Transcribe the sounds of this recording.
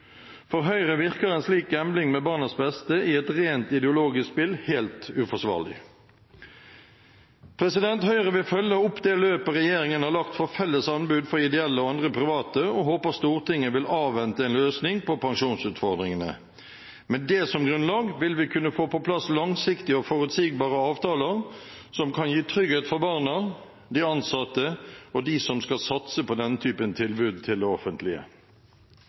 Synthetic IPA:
fɔʁɦœʏʁəʋɪʁkəʁɛnsliːkɛmblɪŋmɛbɑːʁnəsbɛst̪əʔɪɛt̪ʁeːnt̪ɪd̪ɛʊloːɡɪsspɪlheːlt̪ʉfɔʂʋɑ̰ːʁlɪ̰ | pʰʁɛsɪd̪ɛnt̪hœʏʁəʋɪlfœlːəʊpd̪ɛːløːpəʁɛjeːʁɪŋənhɑʁlɑkt̪fɔʁfɛlːəsɑnbʉːd̪fɔʁɪd̪ɛɛlːəɔɑnd̪ʁəpʰʁɪʋɑːt̪əɔɦoːpəst̪uːʁt̪ʰɪŋːəʋɪlɑːʋʋɛnt̪əɛːnløːsnɪŋpʰɔpʰɑŋʂuːnsʉːt̪fɔʁd̪ʁɪŋənə̰ | mɛnd̪ɛsɔmɡʁʉnlɑːɡʋɪlʋɪkʰʉnːəfoːpɔpʰlɑslɑŋsɪkt̪ɪəɔfɔʁʉt̪siːɡ̚bɑːʁəɑːʋt̪ʰɑːləʁsɔmkʰɑnjiːt̪ʰɾʏɡeːt̪fɔʁbɑːʁnə | d̪ɪɑnsɑt̪ːəɔd̪ɪsɔmskɑlsɑt̪səpɔd̪ɛnːət̪ʰyːpənt̪ʰɪlbʉːd̪̚t̪ʰɪld̪ɛɔfənt̪ʰlɪə̰

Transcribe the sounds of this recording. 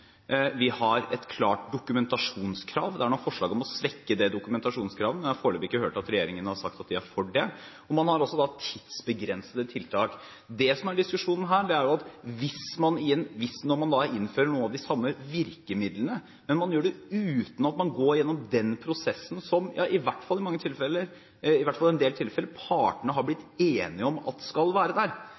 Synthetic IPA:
ʋɪhɑɾɛt̪kʰlɑːʈ̚d̪ʊkʉmɛnt̪ɑʂuːnskʰɾɑːʋd̪ɛæɳɔfɔʂɭɑːɡɔmɔsʋɛkːəd̪ɛd̪ʊkʉmɛnt̪ɑʂuːnskʰɾɑːʋənɛɑɾfoːɭɛbɪkːəhøːʈɑt̪ɾɛjeːɾɪŋənəhɑɾʂɑkt̪ɑt̪̚d̪ɪhæɾfɔɖɛ | ɔmɑnhɑɾɔsːɔd̪ɑt̪ʰɪd̪̥sbəɡɾɛnsəd̪ət̪ʰɪlt̪ʰɑːk | d̪ɛsɔmæɖɪskʉʂuːnən̩ɦæːɖɛæɾjʊɑt̪ʋɪsmɑnɪjɛnːʋɪsnɔɾmɑnd̪ɑæɾʔɪnːføːɾəɳuːənɑʋd̪ɪsɑmːəʋɪɾkəmɪd̪lənə | mɛnmɑnjøːɖɛʉːt̪n̩ɑt̪mɑnɡoːɾjɛnːɔmd̪ɛnpʰɾʊsɛsːnsɔmjɑ̰ːʔɪʋæʈːfɑlːɪmɑŋːət̪ʰɪlfɛlːəɾ | ɪʋæʈfɑlɛnd̪eːlt̪ʰɪlfɛlːəɾpʰɑːʈəɳəɦɑɾblɪt̪ːeːnɪəɔmɑ̰t̪skɑlʋæːɾəd̪æːɾ

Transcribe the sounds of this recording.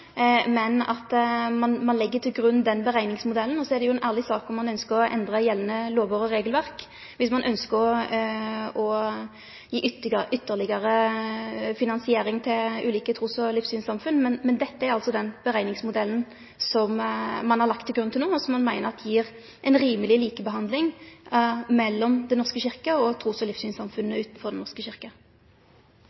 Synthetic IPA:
mɛnɑt̪mɑnmɑnlɪɡːət̪ʰɪlɡɾʉnːd̪ɛnbəʁæɪnɪŋsmʊd̪ɛlːn̩ɔsɔɛd̪ɛjʊɛnʔæːʁlɪsɑːkɔmːɑnœnskəɾɔʔɛ̰nd̪ʁəjɛlnəloːʋɑːʁəʁeːɡəlʋæʁk | ʋɪsmɑnʔœnskəɔ | ɔ | jiːʔʏt̪ːʏt̪ːəlɪɡəʁə | fɪnɑnsɪeːɾɪŋt̪ʰɪlʉːliːkət̪ʰɾuːsɔlɪfsyːnsɑmfʉnːmɛnmɛnd̪ɛt̪ːəæɾɑlt̪sɔd̪ɛnb̥əʁæɪnɪŋsmʊd̪ɛlːn̩ | sɔmmɑnhɑʁlɑk̚t̪ʰːɪlɡɾʁʉnt̪ɪloːɔsɔmːɑnmæɪnəʁɑt̪ːjiːʁ | ʔɛɪnʁiːməlɪliːkəbəɦɑnd̪lɪŋ | mɛlːɔmd̪ɛnɔʁskəɕɪʁkəɔt̪ʰʁuːsɔlɪfsyːnsɑmfʉnːəʉːt̪nfɔʁd̪ɛnɔskəɕɪʁkə

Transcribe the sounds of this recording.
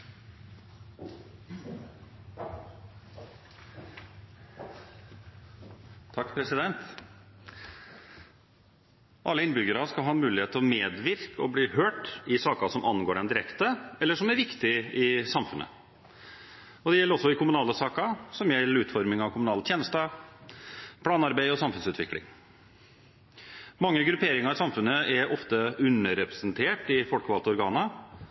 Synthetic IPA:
t̪ʰɑkːpʰɾɛsɪd̪ɛnt̪ | ʔɑlːəɪnbʏɡəɾəskɑlɦɑːnmʉːlɪheːt̪ːʰɔmeːd̪ʋɪɾkɔbliːhøːʈɪsɑːkɑsɔmʔɑnɡoːɖɛnd̪ɪɾɛkt̪əɛlːəʂɔmæɾʋɪkt̪ɪɪsɑmfʉnʔə̰ | ɔd̪ɛjɛlːəɾɔsːɔɪkʰʊmʉnɑːləsɑːkɑsɔmjɛlːəɾʉːt̪fɔɾmɪŋɑʋkʰʊmʉnɑːlət̪ʰjeːnəst̪ə | pʰlɑːnɑɾbæɪɔsɑmfʉnsʉːt̪ʋɪklɪ̰ŋ | mɑŋːəɡɾʉpʰeːɾɪŋɑɾɪsɑmfʉnːəʔɛɾʔɔft̪əʉnəɾɛpɾɛsənt̪ʰeːʈɪfɔlkəʋɑlt̪əɔɾɡɑːnə

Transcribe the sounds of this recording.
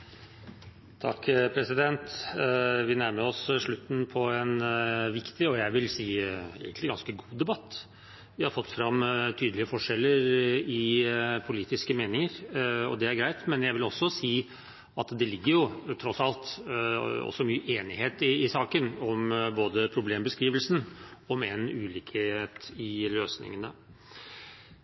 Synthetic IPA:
t̪ʰɑkːpʰɾɛsɪd̪ɛnt̪ | ʋɪnæɾməɾɔsʂɭʉt̪ːn̩pʰɔɛnʋɪkt̪ɪɔjæɪʋɪlsiːḛːɡənt̪lɪɡɑnskəɡuːd̪ɛbɑt̪ː | ʋɪhɑɾfɔt̪ːfɾɑmːt̪ʰyːd̪əlɪəfɔʂɛlːəɾɪpʰʊliːt̪ɪskəmeːnɪŋəɾɔ̰d̪ɛæɾɡɾæɪt̪mɛnjæɪʋɪlɔsːɔsiː | ɑt̪d̪ɛlɪɡːəɾjʊt̪ʰɾɔsɑlt̪ | ɔ̰sːɔmyːʔeːnɪheːt̪ɪɪsɑːkənɔmboːd̪əpʰɾʊbleːmbəskɾiːʋəlsn̩ɔmɛnʉːliːket̪ɪløːsnɪ̰ŋənə̰

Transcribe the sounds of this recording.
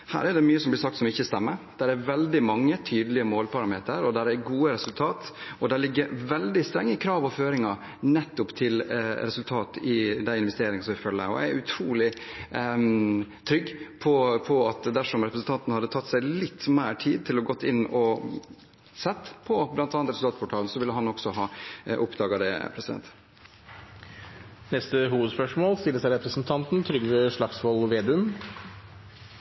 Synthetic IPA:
hæ̰ːɾæɖ̪ɛmyːəsɔmblɪsɑkt̪sɔmɪçːəst̪ɛmːəɾd̪̥æɾæɾʋɛld̪ɪmɑŋːət̪ʰyːd̪lɪəmoːlpʰɑɾɑmeːt̪əɾɔd̪æɾæɡuːəɾɛsʉlt̪ʰɑːt̪ɔd̪æɭlɪɡːəɾʋɛld̪ɪst̪ɾɛŋːəkʰɾɑːʋɔføːɾɪŋɑɾ | nɛt̪ːʊpt̪ʰɪlɾɛsʉlt̪ʰɑːt̪ɪd̪æɪɪnʋɛst̪eːɾɪŋsɔmʋæfœlːə̰ɾɔ̰æɾʉt̪ʰɾuːlɪ | t̪ʰɾʏɡːpʰɔpʰɔɑt̪d̪æʂɔmɾɛpɾəsn̩t̪ɑnt̪ənəhɑd̪ːət̪ʰɑt̪ːsæɪlɪt̪ːmæːʈʰiːd̪̚t̪ʰɪlɔɡɔt̪ːɪnɔ | sɛt̪ːpʰɔblɑnt̪ɑːɑnt̪ɾsl̩ɑːt̪pʰɔʈʰɑːln̩sɔʋɪlːəɦɑnɔksɔɦɑːʔʊpd̪ɑːɡɑd̪ɛ̰pʰɾɛsɪd̪ɛ̰nt̪ | nɛst̪əɦuːʋəd̪spœʂmoːlst̪ɪlːəsæɾɛpɾəsnt̪ʰɑnt̪n̩t̪ʰɾʏɡɾəʂɭɑksʋɔlʋeːd̪ʉən

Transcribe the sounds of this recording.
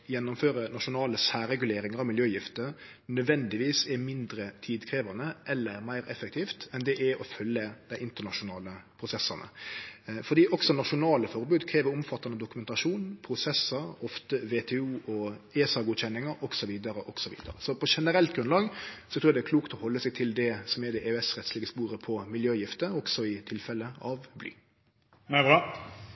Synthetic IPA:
jɛnːʊmføːɾənɑʂʊnɑːləsæːɾɛɡʉleːɾɪŋəɾɑʋmɪljøːjɪft̪ə | nœd̪ʋɛnd̪ɪʋiːsɛmɪnd̪ɾət̪ʰiːd̪kʰɾeːʋɑnəʔɛlːəmæɪɾɛfək̚t̪ʰiːft̪ɛnd̪ɛʔɛɔfœlːəd̪̥æɪʔɪnt̪ənɑʂʊnɑːləpʰɾʊsɛsːɑnə̰ | fɔd̪iːʔɔksɔnɑʂʊnɑːləfɔɾbʉːd̪kʰɾeːʋəɾɔmfɑt̪ːɑnəd̪ʊkʉmɛnt̪ɑʂuːnpʰɾʊsɛsːəɾɔft̪əʋet̪ʰɛuːʔɔeːsɑɡuːd̪çɛnːɪŋəɾɔɡsɔʋiːd̪əɾəʔɔɡ̥sɔʋḭːd̪ə̰ɾəsɔpʰɔʂɛnəɾɛlt̪ɡɾʉnlɑːɡsɔt̪ʰɾuːjæd̪ɛækʰluːkt̪ɔhɔlːəsɛɡt̪ʰɪld̪ɛsɔmɛd̪ɛʔeɛsɾɛt̪sliːɡəspuːɾəpʰɔmɪljøːjɪft̪əɔɡ̥sɔɪt̪ʰɪlfɛlːəɑʋbly̰ː | næbɑ

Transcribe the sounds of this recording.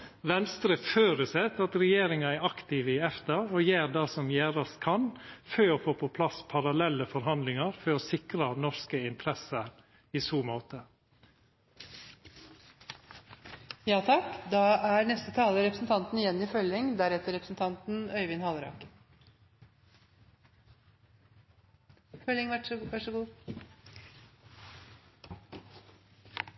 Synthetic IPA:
ʋɛnst̪ɾəføːɾəsɛt̪ɑt̪ɾɛjeːɾɪŋɑæɾɑkt̪ɪʋəɪɛft̪əɾɔːjeːɾd̪ɑːsɔmjæːɾɑskʰɑnføːɔfoːpʰɔpʰlɑspʰɑɾɑlɛlːəfɔɾɦɑnd̪lɪŋɑɾfɔɾɔsɪkɾɑnɔʂkəɪnt̪ʰɾɛsəɾ | iːsuːmoːt̪ə | jɑːt̪ʰɑkd̪ɑːæɾnɛst̪ət̪ʰɑːləɾɛpɾə̥sn̩t̪ʰɑnt̪n̩ɪjɛnːiːfœlɪŋd̪æɾɛt̪əɾɛpɾəsn̩t̪ʰɑnt̪n̩œʏʋɪnhɑlɾɑ̰ːk | fœlɪŋʋɑʂəɡuː

